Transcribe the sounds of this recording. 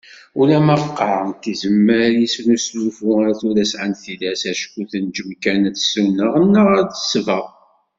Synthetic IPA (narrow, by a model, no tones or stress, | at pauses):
ulæmævqːɑʕənt̪izəmːəɾjisnuslufuæɾθuɾæsʕanθilæsæʃkːuθənd͡ʒəmkænæθsunəʁənːəʁəɾd̪əsvəʁ